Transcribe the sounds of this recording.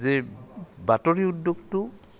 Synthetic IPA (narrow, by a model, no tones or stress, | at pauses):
zɛbatoɹiudːoɡtʊ